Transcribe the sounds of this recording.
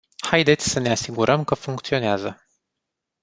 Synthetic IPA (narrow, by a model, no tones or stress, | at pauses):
hajd̪e̞t̪sʲsəneasiɡuɾʔəmkəfuŋkt̪sio̞neazə